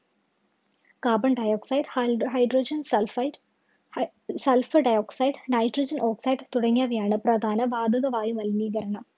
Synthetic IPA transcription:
kaːbɐɳɖɐjoːksɐjɖɦɐjɖroːd͡ʑɐnslf | sɐlfɨɖɐjoːksɐjɖnɐjʈrid͡ʑɐnʔo̞ːksɐjɖt̪uɽɐŋːaːʋɐjaːɳɨprɐd̪ʱaːnɐʋaːd̪ɐɣɐʋaːjumʋɐlmiːɣɐɾɐɳɐm

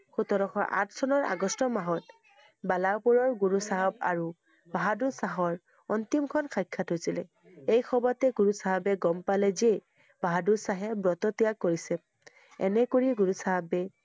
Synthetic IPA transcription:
xutɔɾɔxɔʔa̰tʰsɔnɔɹa̰ɡɔstɔmaɦɔt | balawpuɹɔɹɡuɹusaɦab̚a̰ɹu | bʱaɦadusaɦɔɹ | ɔntimkʰɔnkʰajkʰːatɦosilɛ | ejxʰɔbɔtɛɡuɹusaɦabɛɡɔmpalɛze | b̥ʱaɦadusaɦɛbɹɔtɔtijakːoɹisɛ | ɛ̰nɛkoɹiɡuɹusaɦabɛ

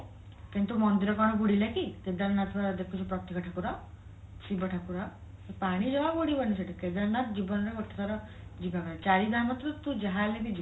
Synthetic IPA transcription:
kent̪umɔnd̪iɾɔkɔɽ̃ɔɡuɽ̤ilekiked̪aɾnat̪ʰbad̪ekʰut͡ʃʰɔpɾɔt̪ikɔʈʰakuɾa | sibɔʈʰakuɾa | epaɽ̃id͡ʒɔbaboɽibɔniseʈʰiked̪aɾnat̪d͡ʒibɔnɔɾeɡɔʈʰːḁt̪ʰaɾɔ | d͡ʒibakɔɾet͡ʃaɾid̪amat̪ɾɔt̪ũd͡ʒaɦalebid͡ʒi

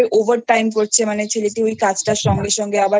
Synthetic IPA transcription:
eʔovaɾʈajmkoɾt͡ɕʰemanet͡ɕʰeleʈiojkat͡ɕʰʈaʃɔŋɡeʃɔŋɡeaba

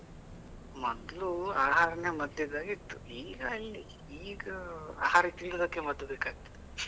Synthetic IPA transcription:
mɔd̪luaːɦaːɾɐnemɐd̪jɐd̪aːɡit̪ːuiːɡɐɐlːi | iːɡɐa̰ːhaːɾit̪iɭːod̪ɐkːemɐd̪ːbeːkaːɡ̚t̪id̪e

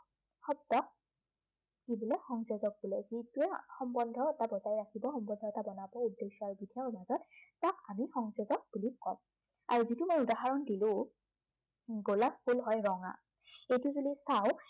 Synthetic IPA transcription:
xɔb̚dɔk̚ | kibɔlɛxɔŋsezɔk̚bulɛzituɛxɔmbɔndʱɔɛtabɔzajɹakʰibɔxɔmbɔndʱɔɛtabɔnabɔudːeʃɔaɹubidʱiamazɔt̚takamixɔŋsezɔk̚b̥ulikɔ̰m | a̰ɹuzitʊmɔjudaɦaɹɔndilʊ̃ | ɡolakpʰulɦɔjɹɔŋa̰ | ejtʊzulisaw

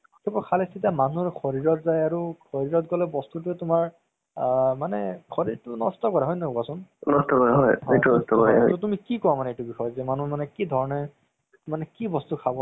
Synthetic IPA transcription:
kʰɛpɔkʰalɛsitamanuɹxʰɔɹiɹɔtzajaɹukʰɔɹiɹɔtɡɔlɛbɔstutʊɛtʊmaɹ | manɛkʰɔɹiɹtʊnɔstɔkɔɹaɦɔjnɔkɔasʊnnɔstɔkɔɹaɦɔjɦetunɔstɔkɔɹaɦɔjɔtumikikɔwamanɛetubixɔjɔzɛmanumanɛkidʱɔɹɔnɛ | manɛkibɔstukʰabɔ

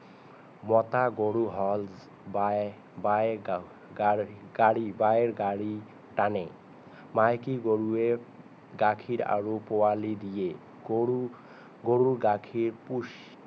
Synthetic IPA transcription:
mɔt̪aɡoɽuɦɔlz | ba | ba | ɡaɽibaeɾɡaɽi | ʈane | majkiɡoɾue | ɡakʰiɾa̰ɾopowalid̪ije | u | ɡoɽuɾɡakʰiɾpuʃ

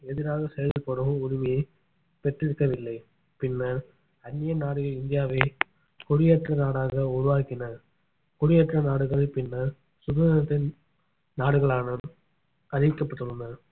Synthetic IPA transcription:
ɛðɪɾaːɣɐsɛjɐlɪlpɔɽɯmɯʊɻɪmɐjɐɪ | pɛʈrɪɾɯkːɐʋɪlːɐɪ | pɪnːɐɾ | ɐnːɪjɐnaːɽɯɣɐɭɪnd̪ɪjaːʋɐ | kʊɻɪjɐʈrɐnaːɽaːɣɐʊɾʊʋaːkɪnɐ | kɔɻɪjɐʈrɐnaːɽɯɣɐɭɐpɪnːɐ | sʊɣɐːɐnɐt̪ːɐ | naːɽɯɣɐɭaːnɐ | ɐðɪkːɐpːɐʈ̪ːɯlɯnɐ

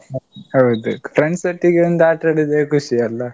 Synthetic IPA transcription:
ɦɐwd̪upʰɾeɳɖsɐʈːiɡeond̪uaːʈɐɽid̪eːkuʃiɐlːɐ

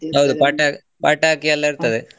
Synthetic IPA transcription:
ɦɐwðɯpaːʈːa | pa̰ːʈːaːkːɪjɐlːãɪɾɯnt̪ːɐðɯ

